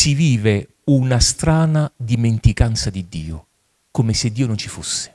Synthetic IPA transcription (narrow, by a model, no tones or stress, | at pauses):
siviːve | unast̪ɾaːnad̪iment̪ikant̪sad̪id̪ːiːʊ̰ | komɪsɪd̪ːiːʊnʊnt͡ʃifosːɪ̥